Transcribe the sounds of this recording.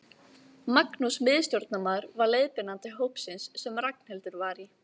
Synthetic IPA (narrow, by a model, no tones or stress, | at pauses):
maknusmɪðst̪joɾt̪namaðʏɾvaɾleːðpɪnant̪ɪɦowpsɪnsːɛmrak̚n̥hɛlt̪ʏɾvaɾi